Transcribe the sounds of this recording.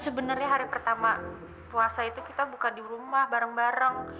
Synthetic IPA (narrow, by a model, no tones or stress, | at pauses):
səbənərɲaɦaɾipərt̪ama | puasait̪ukit̪abukadiɾumahbaɾaŋbaɾəŋ